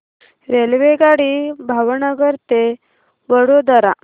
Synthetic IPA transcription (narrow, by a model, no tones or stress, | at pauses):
ɾelʋeɡaɽibʱaʋnəɡəɾt̪e | ʋəɽod̪əɾa